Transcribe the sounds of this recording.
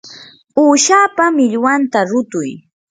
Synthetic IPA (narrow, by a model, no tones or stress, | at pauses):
uːʃaːpamɪʎwant̪aɾʊt̪ʊj